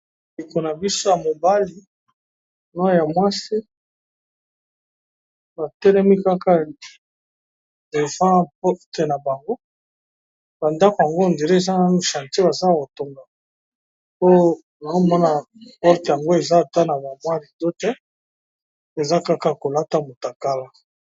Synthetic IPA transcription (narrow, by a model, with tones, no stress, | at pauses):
li˨ko˨na˨bi˦so˦ja˨mo˨ba˦li˨ | n˦a˦˨ja˨mwa˦si˦ | ba˨tɛ˦lɛ˦mi˦ka˦ka˦ | de˨vã˦pɔ˦ʁte˨na˨ba˨ŋɡo˦ | ba˨nda˦ko˨ja˨ŋɡo˦˨nde˨le˦e˨za˦no˨ʃã˨nte˦ba˨za˦˨ko˨to˨ŋɡa˨ | po˦ | ba˨ŋo˦˨mɔ˦na˨ | pɔ˦ʁte˨ja˨ŋɡo˦e˨za˦˨ta˦na˨ba˨mwa˦li˨do˦tɛ˦ | e˨za˦ka˦ka˨ko˨la˦ta˦mo˨ta˨ka˦la˦